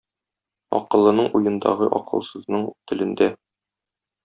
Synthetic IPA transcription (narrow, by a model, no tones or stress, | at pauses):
ɒ̰qɤ̆lˠːɤ̆nɤɴʔujɤ̆nd̪ɑ̰ʁɤʔɒ̰qɤ̆lˠsɤ̆znɤɴt̪ɘ̆lɘ̆nd̪æ